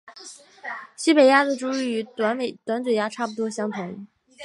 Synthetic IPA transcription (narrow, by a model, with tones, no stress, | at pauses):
ɕi˥pe˨˩ɪja˥d͡zə˨˩ʈ͡ʂu˥y˧˥y˧˥t̪wa˧˥nme˨˩ɪt̪wa˧˥nt͡s̩˨˩ja˥ʈ͡ʂʰa˥˩pu˩t̪wɔ˥ɕjɑ˥ŋt̪ʰʊ˧˥ŋ